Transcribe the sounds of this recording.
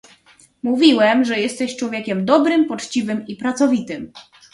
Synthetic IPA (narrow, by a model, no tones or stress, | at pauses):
muvʲiwɛmʐɛjɛst̪ɛɕt͡ʂwɔvʲjɛkʲɛmd̪ɔbɾɘmpɔt͡ʂt͡ɕivɘmipɾat̪sɔvʲit̪ɘm